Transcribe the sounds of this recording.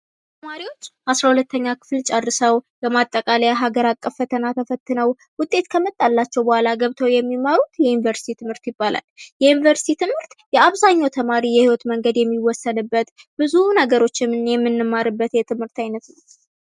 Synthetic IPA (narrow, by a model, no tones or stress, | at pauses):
t̪ʰəmaɾiwo̞t͡ʃːasɾahulət̪ʰːəɲːakʰɨ̥flt͡ʃʼadːɨsəwbəmat̪ʼːəkʼaləjaɦaɡəɾakʼːəfət̪ʰənat̪ʰəfət̪ːɨnəw | wʊt̪ʼːe̞t̪kʰəmət̪ʼːalːat͡ʃːɛwbəhʷalaɡəβt̪ʰəwjɛmːimaɾut̪jɛjunivəɾst̪ʰit̪ʰɨmhɨɾt̪jɪbːala̰ljɛjunivəɾst̪ʰit̪ʰɨmhɨɾt̪jɛaβzaɲːawt̪ʰəmaɾijɛhiwɔt̪məŋɡəd̪jɛmːiwɔsːəd̪ɨbːət̪b̥ɨzunəɡəɾo̞t͡ʃːɪmnjɛmːɨnːɨmːaɾɨbːət̪jɛt̪ʰɨmhɨɾt̪ajnət̪